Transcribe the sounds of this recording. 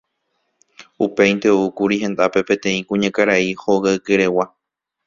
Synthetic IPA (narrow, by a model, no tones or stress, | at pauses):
upe̞j̃nt̪eoukuɾihẽ̞nd̪ape̞pẽ̞t̪ẽ̞ĩkũɲãkaɾaiho̞ɣaɨkeɾe̞wa